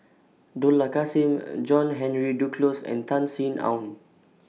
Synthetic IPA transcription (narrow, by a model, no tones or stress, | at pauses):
dolakasĩmd͡ʒɔ̃nɦɛ̃nɹidukʰlosɛ̰̃nt̪ʰãnsĩnã̰wn